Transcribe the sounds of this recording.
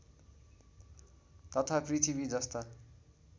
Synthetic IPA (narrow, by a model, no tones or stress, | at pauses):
t̪ʌt̪ʰaprit̪ʰibid͡zʌst̪a